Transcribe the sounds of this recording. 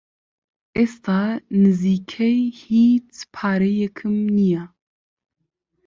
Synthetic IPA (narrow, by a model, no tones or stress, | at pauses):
ʔest̪ʰaːnɨziːkʰɛjhiːt͡spʰaːɾɛjɛkʰɨmnijɛ